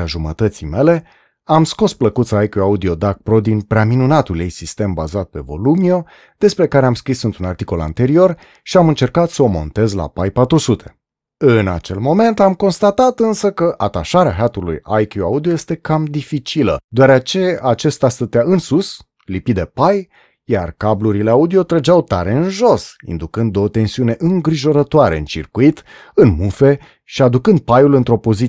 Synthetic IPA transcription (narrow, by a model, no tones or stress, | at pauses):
aʒumət̪ət̪sḭjme̞le̞ | amsko̞spləkut̪sajkjuaud̪io̞d̪aɡ̚pɾo̞d̪inpɾeaminunat̪uljejsist̪e̞mba̰zat̪̚pe̞vo̞̰lumio̞ | d̪̥e̞spɾe̞kaɾe̞amskɾisɨnt̪ɾunart̪iko̞la̰nt̪e̞ɾio̞r | ʃiamɨnt͡ʃe̞rkat̪səomo̞̰nt̪e̞zla̰pajpat̪ɾusut̪ʰe̞̥ | ɨna̰t͡ʃe̞̰lmo̞me̞nt̪amko̞nst̪at̪at̪ɨnsəkəʔat̪aʃaɾeaɦat̪ulṵjajkjuaud̪ioje̞st̪e̞kamd̪ifit͡ʃilə̰d̪oaɾeat͡ʃe̞at͡ʃe̞st̪ast̪ət̪eaɨnsus | lipid̪e̞paj | ja̰rkabluɾile̞aud̪io̞t̪ɾəd͡ʒawt̪a̰ɾe̞ɨnʒo̞sḭnd̪ukɨnd̪ot̪e̞nsiune̞ʔɨŋɡɾiʒo̞ɾət̪oaɾe̞̰ɨ̰nt͡ʃḭrkuit̪ | ɨnmufe̞ | ʃiad̪ukɨnd̪̚pajulɨnt̪ɾo̞po̞zi